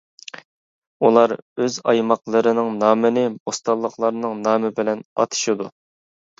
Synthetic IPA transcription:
ulˠɑɾøzɑjmɑqlˠəɾɨnɨŋnɑːmɪnɪbost̪ɑlˠːəqlˠɑɾnɨŋnɑːmɪbɪlɛnɑ̰t̪ʰɨ̥ʃɨd̪u

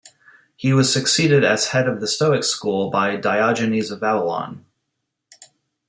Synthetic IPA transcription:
hiwʌz̥sɨksiɾɪɾɨz̥hɛɾʌvðɨstoʊɨkskulˠbaɪdaɪɑd͡ʒɨnizʌvæbəlɑ̰̃n

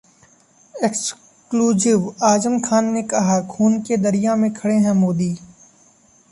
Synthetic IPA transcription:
eks | kluːzɪʋaːd͡ʒəmkʰaːnːekɐɦakʰuːnked̪ɐɾijamẽkʰɐɽeɦɛ̃moːd̪iː

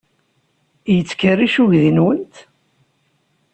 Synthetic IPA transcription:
jət͡sːkəriʃuʝðinwənt̪

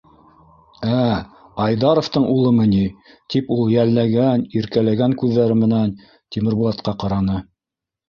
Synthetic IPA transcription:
æɑjd̪ɑɾŏft̪ɤɴʔulˠɤmɘ̆ni | t̪ipulˠjælːæɡæniɾkælæɡæŋkʉðːæɾɘmɘ̆næn | t̪imɘ̆ɾbulˠɑt̪qɑqɑɾɑnɤ

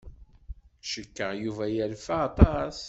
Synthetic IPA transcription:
ʃəkːəʁjuvæjælfaːt̪ˤɑs

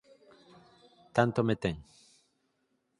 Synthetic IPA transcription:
t̪ant̪omet̪eŋ

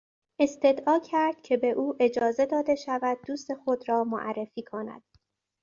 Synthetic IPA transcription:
ʔe̞st̪e̞d̪ʔɒːcʰæɾd̪̥cʰe̞be̞ʔuːʔe̞d͡ʒɒːze̞d̪ɒːd̪e̞ʃævæd̪̚ːuːst̪e̞xo̞d̪ɾɒːmoʔæ̰rːe̞fiːkʰo̞næ̰d̪̥̚

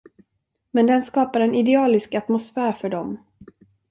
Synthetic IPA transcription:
mɛnd̪ɛnskɑːpaɾɛnɪd̪ɛɑːlɪskat̪mʊsfæːɾfœɖɔm

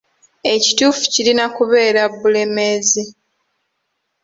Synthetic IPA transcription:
e̞ci̥tuːfu̥cilinakuβe̞ːɾabːule̞mezi

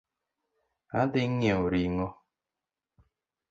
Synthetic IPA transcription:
adɪŋ̩ɲeoɾiŋɔ

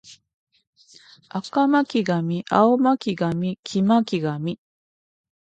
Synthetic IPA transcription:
akamakʲiɡamʲiʔaomakʲiɡamʲikʲʰimakʲiɡamʲi

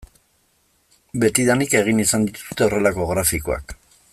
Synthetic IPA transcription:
be̞t̪iðanike̞ɣ̞inisand̪it̪u̥su̥t̪e̞o̞re̞lako̞ɣɾafikoa̰k

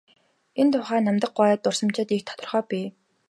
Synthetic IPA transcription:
ent̪ʰʊːχæːnamt̪ə̆q̚ɢaːt̪ːʊr̥sə̆mt͡ɕɪ̆t̪ikt̪ʰɔ̥t̪ə̆rχœːpʲiː

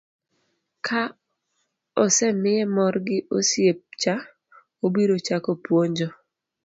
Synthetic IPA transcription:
kʰa | ɔsɛmɪɛmɔɾɡɪʔosjep̚t͡ʃa | obiɾot͡ʃakopwoɲd͡ʒɔ

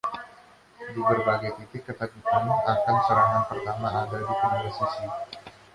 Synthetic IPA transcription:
dibərbaɡajt̪it̪ɪkːət̪aɡikanakansəɾaŋanpərt̪amaːdadikɔmbəsisi

